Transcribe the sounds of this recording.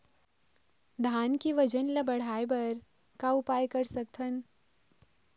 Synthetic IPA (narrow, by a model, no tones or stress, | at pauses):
d̪ʱaːnkiʋəd͡ʒənlabəɽ̤aːjbəɾ | kaupaːjkəɾsək̚t̪ʰən